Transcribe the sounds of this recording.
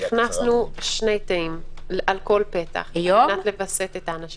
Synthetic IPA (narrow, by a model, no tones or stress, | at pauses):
niχnasnuʃne̞jt̪aimalko̞lpe̞t̪a̰χjonatle̞vaset̪et̪aːnaʃi